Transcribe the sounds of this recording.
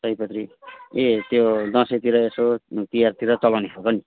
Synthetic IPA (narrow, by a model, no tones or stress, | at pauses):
sʌjpʌt̪riet̪jod̪ʌ̃sʌt̪iɾʌesot̪ijart̪iɾʌt͡sʌlawneɦʰokʌni